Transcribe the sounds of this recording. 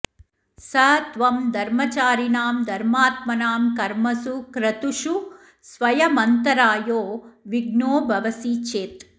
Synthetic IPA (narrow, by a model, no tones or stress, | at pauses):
sɐɦt̪ʋɐmd̪ʱɐɾmɐt͡ʃaːɾinaːmd̪ʱɐɾmaːt̪mɐnaːmkɐɾmɐsukɾɐt̪uʂu | sʋɐjɐmɐnt̪ɐɾaːjoːʋiɡnoːbʱɐʋɐsiːt͡ʃeːt̪